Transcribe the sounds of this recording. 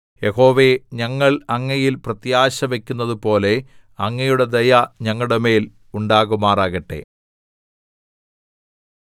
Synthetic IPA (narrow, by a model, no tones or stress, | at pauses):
jeho̞ːʋe̞ɲɐŋːɐɭɐŋːɐjilprɐt̪jaːɕɐʋe̞kʲːunːɐðupo̞ːle̞ | ɐŋːɐjuɽe̞d̪ɐjɐɲɐŋːɐuɽeme̞ːl | uɳɖaːɣumaːraːɣɐʈːe̞̰